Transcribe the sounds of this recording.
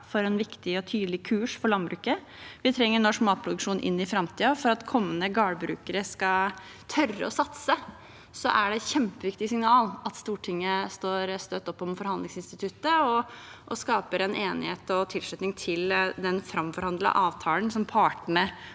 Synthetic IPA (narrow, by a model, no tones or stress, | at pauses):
fɔɾɛnʋɪkt̪ɪɔt̪ʰyːd̪lɪkʰʉːʂfɔɭɑnbɾʉːkə | ʋɪt̪ʰɾɛŋːəɳɔʂmɑːt̪̚pʰɾʊd̪ʉkʂuːnʔɪ̰nːɪfɾɑmt̪ʰiːɑfɔɾɑt̪kʰɔmːənəɡɑːbɾʉ̰ːkəɾəskɑ | t̪ʰœrːə̰ɔsɑt̪sə | sɔʔæɖɛçɛmpəʋɪkt̪ɪsɪŋnɑːlɑt̪st̪uːʈʰɪŋːəst̪oːɾst̪øt̪ːɔpːɔmfɔɾhɑnd̪lɪŋsɪnst̪ɪt̪ʰʉt̪ːəɔʔɔskɑːpəɾɛnʔeːnɪheːt̪ɔt̪ʰɪlʂlʉt̪nɪŋt̪ʰɪld̪ɛnfɾɑmfɔɾhɑnd̪lə̰ʔɑːʋt̪ʰɑːlənsɔmpʰɑːʈəɳə